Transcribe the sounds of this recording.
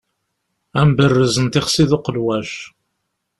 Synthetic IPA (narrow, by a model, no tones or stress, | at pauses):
æmbərːəzənt̪ɪχsiðʊqəlwæʃ